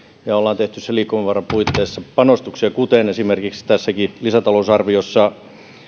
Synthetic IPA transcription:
ɑolːɑːnt̪eht̪ysseliːkːomeʋʋɑrːɑpuit̪ːeːsːɑpɑnost̪uksiɑkut̪enesimerkikst̪æsːækilisæt̪ɑlousɑrʋiosːɑ

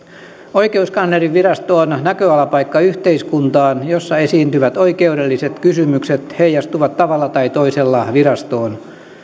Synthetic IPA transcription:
o̞ike̞uskɑnleriʋʋirɑst̪oːnnækøɑlɑpɑikːɑyht̪eiskunt̪ɑːnjosːɑe̞siːnt̪yʋæt̪o̞ikeude̞lːiset̪kysymykset̪he̞jɑst̪uʋɑt̪tɑʋɑlːɑt̪ɑit̪o̞iselːɑʋiɾɑst̪o̞ːn

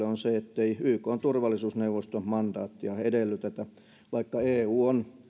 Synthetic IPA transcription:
eonseet̪ːeiyːkoːnt̪urʋɑlːˑisuːsneuʋost̪ommɑnd̥̪ɑːt̪ːiɑedelːyt̪et̪æ | ʋɑikːɑeːuːon

